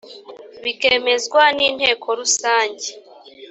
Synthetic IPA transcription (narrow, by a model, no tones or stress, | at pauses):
βikeːme̞zɡwaniːn̥he̞ːkʰo̞ɾusaːɲɟe